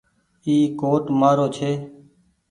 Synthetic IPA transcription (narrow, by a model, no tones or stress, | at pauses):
iːkoːʈmaːɾoːt͡ʃʰeː